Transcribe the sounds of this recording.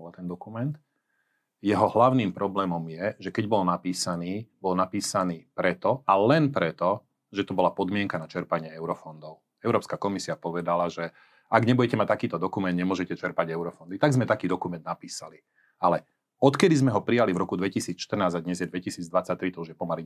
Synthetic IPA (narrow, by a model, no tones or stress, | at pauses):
at̪ɛnd̪ɔkumɛnt̪ | jɛɦɔɦlaʊniːmpɾɔblɛːmɔmjɛʒɛkɛɟbɔlnapiːsaniːbɔlnapiːsaniːpɾɛt̪ɔalɛnpɾɛt̪ɔ | ʒɛt̪ɔbɔlapɔd̪mɪɛŋkanat͡ʃɛɾpaɲɪɛɛʊɾɔfɔnd̪ɔʊ | ɛʊɾɔːpskakɔmisiapɔʋɛd̪alaʒɛ | aɡɲɛbuɟɛcɛmat̪akiːt̪ɔd̪ɔkumɛnd̪ɲɛmʊɔʒɛcɛt͡ʃɛɾpaɟɛʊɾɔfɔnd̪it̪aɡzmɛt̪akiːd̪ɔkumɛnd̪̚napiːsali | alɛ | ɔt̪kɛd̪izmɛɦɔpɾijalivɾɔkud̪ʋɛcisiːt͡sʃt̪r̩naːzad̪ɲɛzjɛd̪ʋɛcisiːd͡zd̪ʋat͡sːac̚t̪ɾit̪ɔuʒjɛpɔmali